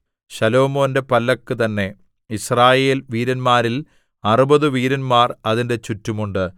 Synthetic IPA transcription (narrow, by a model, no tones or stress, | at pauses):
ɕɐlo̞ːmo̞ːnde̞pɐlːɐkːɨt̪ɐnːe̞ | israːje̞ːlʋiːɾɐnmaːɾil | ɐrubɐðɨʋiːɾɐnmaːrɐðinde̞t͡ɕutːumuɳɖɨ